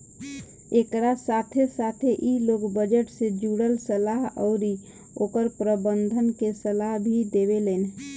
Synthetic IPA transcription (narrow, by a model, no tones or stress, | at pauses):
ekɾasat̪ʰesat̪ʰeʔilokbəd͡ʒəʈsed͡ʒuɽəlsəlaɦɔʊɾi | oːkəɾpɾəbənd̪ʱənkesəlaɦbʱid̪ebelen